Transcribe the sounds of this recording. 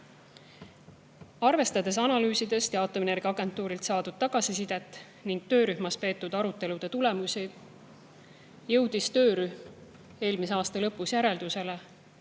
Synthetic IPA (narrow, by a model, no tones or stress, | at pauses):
ɑrve̞st̪ɑd̪̥e̞sɑnɑlyːsid̪e̞st̪jɑːt̪ːˑomene̞rɡ̥iɑɡ̥e̞nt̪ːˑuːɾilt̪sɑːd̪ud̪̥̚t̪ɑɡ̥ɑsisid̪̥e̞t̪ːˑ | niŋɡ̥̚t̪ø̞ːɾyhmɑspe̞ːt̪ːˑud̪̥ɑɾut̪ːˑe̞lud̪̥e̞t̪ule̞musi | jɤ̞wd̪̥ist̪ø̞ːɾyhm | e̞ːlmiseɑːst̪ɑlɤpːˑusjæɾe̞ld̪̥use̞le